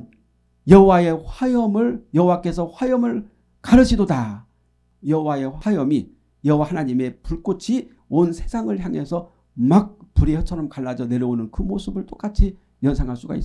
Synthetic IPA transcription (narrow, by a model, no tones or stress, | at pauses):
jʌɦowae̞ɸwajʌmɯɭjʌɦowak͈e̞sʰʌɸwajʌmɯɭ | kaɾɯɕʰidoda | jʌɦowae̞ajʌmi | jʌɦowahanaɲime̞puɭk͈ot͡ɕʰi | onsʰe̞sʰaŋɯɭçjaŋe̞sʰʌ | mak̚puɾihʌt͡ɕʰʌɾʌmkaɭːad͡ʑʌne̞ɾʌonɯnkɯmosʰɯbɯɭt͈ok͈at͡ɕʰi | jʌnsʰaŋɦaɭs͈uɡa̰is͈